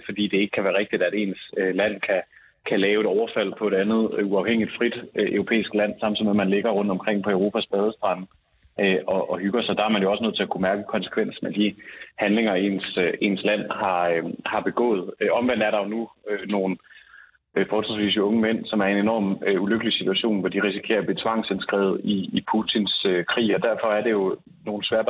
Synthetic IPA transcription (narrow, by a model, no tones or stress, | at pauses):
fɒ̽d̥ḭːd̥e̝eɡ̥əkʰæʋæːɐʁeɡ̥̚d̥id̥æɾ̥e̝̰ːnsølæn̰kʰæ | kʰælɛːʊe̝ɾɒʊɐfæl̰pʰɒ̽e̝ɾ̥ænð̩ˠuɑ̈ʊheŋ̰ilid̥fʁid̥ʔøʊʁo̝pʰḛːisɡ̥læn̰sɑ̈mn̥ʰið̰̩ˠmemænle̝ɡ̥ɐʁɔ̽n̰d̥ɒ̽mkʰʁeŋ̰pʰɒ̽əʊʁo̝ːpʰæsb̥ɛːð̞ˠəsd̥ʁɑn̰ | ʔøɒ̽ʔɒɦyɡ̥ɐsɒ̽d̥ɑ̈æɐmænjo̝ɒsənøð̰ˠt͡sʰe̝ækʰumæɐɡ̥əkʰɒ̽nse̥kʰʋen̰sn̩æd̥ihænle̝ŋɐe̝̰nse̝̰ːnslæn̰hɑ̈hɑ̈b̥e̝ɡ̥ɔ̰̽ːð̞̩ˠɒ̽mʋen̰dæɐɾ̥ɑ̈jo̝nuøno̝ːn̩ | fɒɒ̥̽sesʋḭːsəɔ̽ŋəmen̰sɒ̽mæɐe̝ne̝nɒ̰ːmøuløɡ̥əlisit͡sʰuæɕo̝̰ːnʋɒd̥iʁisikʰe̝̰ːɐb̥e̝t͡sʰʋɑ̈ŋ̰sensɡ̥ʁɛ̰ːð̞̩ˠiːpʰut͡sʰinsøkʰʁḭːɒ̽d̥æɐfɒ̽æɐde̝jo̝ | no̝ːn̩sʋæɐ̰d̥